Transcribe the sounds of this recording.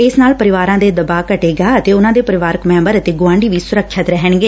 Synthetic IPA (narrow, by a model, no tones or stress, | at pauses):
ɪsnaːlpəɾɪʋaːɾãːd̪eːd̪əbaːkəʈeːɡaːət̪eːʊnãːd̪eːpəɾɪʋaːɾəkmɛ̃ːmbəɾət̪eːɡʊʋãːɳɖiːʋiːsʊɾəkʰʃət̪ɾɛɦəɳɡeː